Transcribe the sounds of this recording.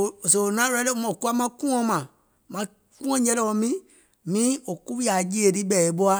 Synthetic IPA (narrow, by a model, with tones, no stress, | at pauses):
so˨nã˨˦ɾɛ˦le˦m˨ku˦a˦mã˦kũ˦ɔ̃˧˦mã˨ | mã˨˧˦ | kũ˦ɔ̃˦ɲɛ̃˦lɛ˦˨ɔ̃˧mĩ˦ | mĩ˨˦o˨ku˦i˦a˨d͡ʒi˦e˨di˦bɛ˦˨e˨˦bo˦a˦